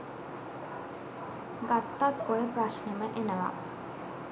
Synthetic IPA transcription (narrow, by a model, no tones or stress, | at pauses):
ɡat̪ːat̪oepɾasnəməʔenəʋa̰